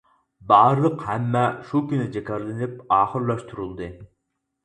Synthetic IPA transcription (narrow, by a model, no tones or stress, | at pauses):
bɑːɾɨlˠəqhɛmːɛʃukʲynɪd͡ʒɛkʰʲɑɾlˠɨnɪp̚ɑːχəɾlˠɑʃt̪ʰuɾulˠd̪ɨ